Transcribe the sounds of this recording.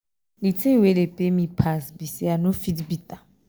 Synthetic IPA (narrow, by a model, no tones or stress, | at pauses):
litʰewelepʼemĩpʰasbisianʊfidbit̪a